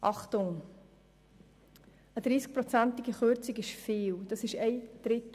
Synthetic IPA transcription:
ʔɑχtʊŋ | əd̥ɾiːsk̚pɾɔt͡sæntiɡiχøɾt͡sikɪʃfiːld̥ɑsɪʃɛɪd̥ɾɪt

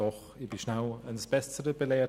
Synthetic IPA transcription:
ɔχ | ib̥iʃnaʊənsb̥ɛstəɾəb̥əlɛːɐ

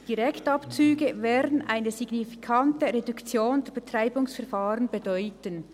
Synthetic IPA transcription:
d̥iɾɛktɑpt͡syːɡəvɛːɾdən̩ʔa̰ɪnəziɡnifi̥kʰɑntəɾedukt͡sjoːndɛɾb̥etʁaɪbʊŋsfɛɐʁfaːɾənbedɔʏtən

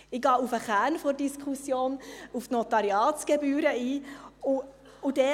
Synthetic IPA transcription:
ɪɡɑːufəχæːnfoɾd̥iskχusjoːnuftnot̪ɑɾjɑːt͡sɡ̥ɛbyːɾəiːʊ | ʊdɛ

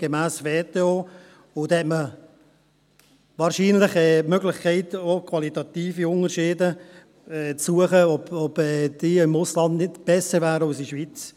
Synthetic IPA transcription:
ɡ̥emæːsveːt̪eoː | ʊd̪hɛtmə | vɑːɾʃiːnlɪχɛmøɡlɪχkʰɛɪtokʰvɑlit̪ɑt̪iːfiʊnəɾʃeːdə | ɛt͡sːuəχəɔbɔb̥ɛd̪̥iːɪmʊslɑnd̪nɪdb̥ɛsəɾvæːɾəɑʊsiʃʋit͡s

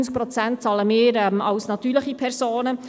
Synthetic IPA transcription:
nsk̚pɾɔt͡sænt̚t͡sɑləmɪːɾɛmɑwsnɑt̪yːɾləχipʰɛɾsoːnə

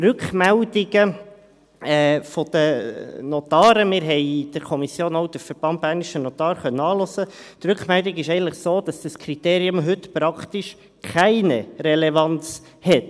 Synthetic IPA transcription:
rʏkχmældiɡə | ɛfɔd̪̥ənɔt̪ɑːɾəmɪɾɦɛɪd̥əɾkʰɔmisjoːnowd̥̪əfəɾb̥ɑnt̚bæːɾniʃənɔt̪ɑːɾχœnːəɑːlɔsət̪ɾʉkχmɛld̪iɡɪʃɛɪən̩tləχsoːd̥̪ɑsd̥əskʰɾit̪eːɾiʊmɦɵt̪pɾɑkt̪iʃ | kʰæɪnəɾɛlɛvɑnt͡s | hɛt

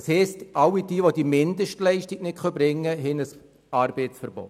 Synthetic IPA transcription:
shɛːstʔɑwid̥iːʋod̥imɪndəʃtlɛɪʃtiknɪtχœbɾɪŋːəɦɛnəs | ɑɾb̥ɛɪt͡sfɛɾb̥o̰t

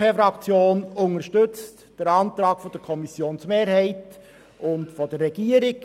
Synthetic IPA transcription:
efɾɑkt͡sjoːnʊŋəɾʃtʏt͡st | d̥əɾɑntɾɑːkfɔd̥əɾkʰɔmisjoːnsmeːɾhɛɪt | ʊntfɔd̥ərːɛɡ̥iəɾɪk

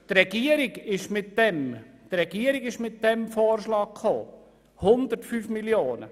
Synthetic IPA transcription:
t̪ɾɛɡ̥iəɾɪɡɪʃmɪtdɛm | d̥ɾɛɡ̥iəɾɪɡɪʃmɪtdɛmfoːɾʃlɑːk̚kʰχo̰ː | hʊnd̪əɾtfyːfmiljoːnə̰

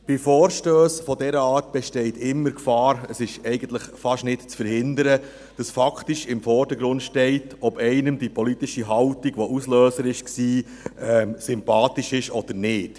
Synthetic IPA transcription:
b̥ɪfɔːɾʃtøːsfɔdɛɾəɑːɾt̚b̥ɛʃtɛɪt̪ɪmːəɾkfɑːɾəsɪʃɛɪɡənt̪ləχfɑʃnɪtt͡sfəɾhɪndəɾə | d̥ɑsfɑktiʃɪmfɔːrdəɡɾʊndʃtɛɪtɔb̥ɛɪnəmdipʰɔlit̪iʃiɦɑwtiɡ̥ʋɔʔusløːsəɾɪʃksiː | ɛːmsʏmpɑːtiʃɪʃɔd̥̪əɾnɪːt

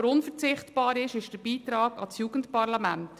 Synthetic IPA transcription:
ɾʊnfəɾt͡sɪχtb̥ɑːɾɪʃɪʃd̥əb̥iːt̪ɾɑːɡ̥ɑ̰t͡sjuːɡ̥ən̩tpɑɾlɑmænt

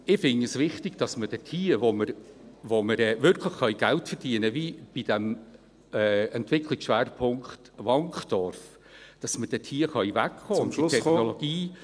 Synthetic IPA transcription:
ɪfɪŋəsʋɪχtɪɡ̥d̥ɑsməd̥ɛtʰiːʋoməɾʋoməɾɛːvʏɾkʰləχːœʏɡ̥æltfəɾd̥iənəvib̥id̥ɛm | ɛːɛntvɪklɪksʃʋæːɾpʰʊŋkχtʋɑŋχdɔɾf | d̥ɑsməd̥ɛtʰiːəχœʏvækχoːnitʰɛχnɔloɡ̥iː

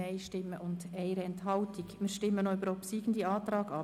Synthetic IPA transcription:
ɛɪʃtɪmːəʔʊndɛɪɾɛnthɑltikmɪːɾʃtɪmːənoybəɾɔpsiːɡ̥n̩diɑːt̪ɾɑːɡɑ

